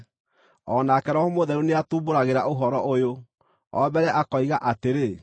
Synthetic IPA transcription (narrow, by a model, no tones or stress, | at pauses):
ɔnakɛɾɔhomoðɛɾuneatuːboɾaɣeɾaoɦɔɾɔʔojo | ɔ̰bɛɾɛʔakɔiɣaʔateɾe